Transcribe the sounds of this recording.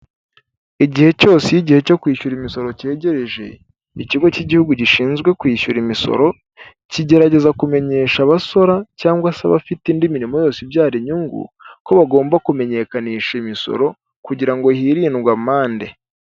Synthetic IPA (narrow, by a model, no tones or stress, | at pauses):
iɟihe̞co̞ːsejiɟihe̞co̞kwiːʃuɾimiso̞ɾo̞ce̞ːɟe̞ɾeʒe̞̰ | iciɡo̞ciɟihuɡuɟiʃiːnzɡwe̞kwiːʃuɾimiso̞̰ɾo̞ | ciɟe̞ɾaɟe̞zakume̞ɲe̞ːʃaβaso̞ɾacaːŋɡwasaβa̰fitindiminimo̞jo̞ːsibjaːɾiɲuŋɡṵko̞βaɡo̞ːmbakume̞ɲe̞ːkaniːʃaimiso̞̰ɾo̞ | kuɟiɾaŋɡo̞hiɾiːnɡwamaːnde̞̰